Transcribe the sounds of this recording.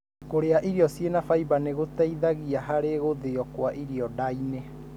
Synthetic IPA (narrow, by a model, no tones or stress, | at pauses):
koɾeaʔiɾiɔsjenafaibaneɣot̪ɛiðaɣiaɦaɾeɣoðeɔkwaʔiɾiɔdaine